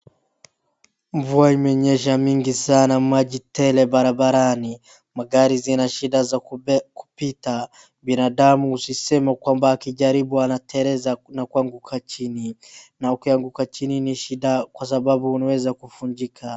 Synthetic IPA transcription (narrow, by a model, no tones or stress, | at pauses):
ɱvuaimɛɲɛʃ̬amiŋɡisanamwaʄitɛlɛbaɾabaɾani | maɡaɾizinaʃiɗazaku̥pita | binaɗamuusisɛmakwambaːkiʄaɾibuanatʰɛɾɛzanakuaŋɡukʰat͡ʃininaukiaŋɡukat͡ʃininiʃiɗakwas̬abaɓuunawɛzakufuɲd͡ʒikʰa